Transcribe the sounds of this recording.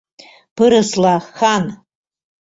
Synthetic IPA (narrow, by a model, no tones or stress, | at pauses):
pɨɾɨslaxan